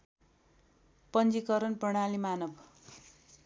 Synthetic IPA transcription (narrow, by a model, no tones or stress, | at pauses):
pʌnd͡zikʌɾʌnprʌɽ̃alimanʌb